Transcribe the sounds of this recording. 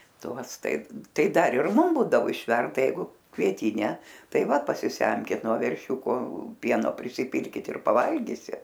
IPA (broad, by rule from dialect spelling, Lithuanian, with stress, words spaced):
ˈtuɔs ˈtɐɪp ˈtɐɪ ˈdɐr ɪr ˈmʊm ˈbuːdɐʋoː ɪʃʲˈʋʲɛrdɐ ˈjɛɪɡʊ kʋʲiɛˈtʲiːnʲɛ ˈtɐɪ ˈʋɐ pɐsʲɪˈsʲɛmʲkʲɪt nuɔ ʋʲɛrʲˈʃʲuːkoː ˈpʲiɛnoː pʲrʲɪsʲɪˈpʲɪlʲkʲɪt ɪr pɐˈʋɐlʲɡʲiːsʲɪt